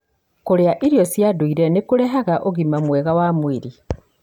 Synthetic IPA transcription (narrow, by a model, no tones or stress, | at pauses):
koɾeaʔiɾjɔsjaduiɾɛnekuɾɛɦaɣaʔoɣimamwɛɣawaːmwiɾi